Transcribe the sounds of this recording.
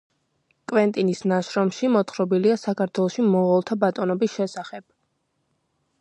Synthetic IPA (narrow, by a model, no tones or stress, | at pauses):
kʼvɛnt̪ʼinisnaʃɾɔmʃimɔt̪χɾɔbiliasakʰaɾt̪ʰwɛlˠɔʃimɔʁɔlˠt̪ʰabat̪ʼɔnɔbisʃɛsaχɛb̥̚